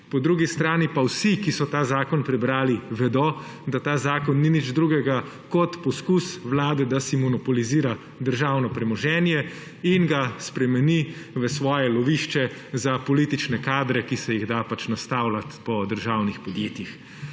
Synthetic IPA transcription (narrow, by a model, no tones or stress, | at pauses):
pɔd̪ɾuːɡist̪ɾaːnipawsikisɔt̪aːzaːkɔnpɾɛbɾaːliʋɛd̪ɔ | d̪at̪aːzaːkɔnːinid͡ʒd̪ɾuːɡɛɡa | kɔt̪pɔskusʋlaːd̪ɛd̪asimɔnɔpɔliziːɾa | d̪əɾʒaːwnɔpɾɛmɔʒɛːnjɛ | inɡaspɾɛmɛniʋəsʋɔːjɛlɔʋiːʃt͡ʃɛ | zapɔliːt̪it͡ʃnɛkaːd̪ɾɛkisɛjiɣd̪apat͡ʃnast̪aːwlat̪pɔd̪əɾʒaːwnixpɔd̪jeːt̪jix